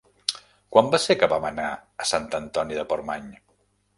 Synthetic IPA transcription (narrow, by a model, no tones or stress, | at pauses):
kwambasekəβamənaəsant̪ənt̪ɔniðəpoɾmaɲ